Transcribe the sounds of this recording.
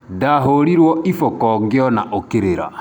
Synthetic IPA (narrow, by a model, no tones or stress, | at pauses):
daɦoɾiɾwɔifɔkɔŋɡjɔnaʔokeɾeɾa̰